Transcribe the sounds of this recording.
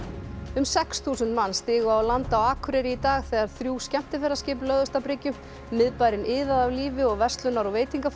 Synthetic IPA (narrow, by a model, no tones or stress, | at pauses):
ʏmsɛksθʰuːsʏnt̪manːst̪ɪːɣʏawlant̪awaːkʰɾɛɾɪit̪aːɣθɛːɣaɾ̥θɾjuːscɛm̥t̪ɪfɛɾascɪːplœːðʏst̪apɾɪcʏ | mɪðpaːjɾɪnʔɪːðaðavliːvɪɔɣvɛst̪lʏnaɾɔveːjt̪iŋkaf